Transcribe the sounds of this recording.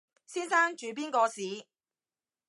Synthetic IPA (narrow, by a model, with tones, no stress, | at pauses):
siː˥nsaː˥ŋt͡ʃyː˨˧p̬iː˥nkɔː˧siː˨˧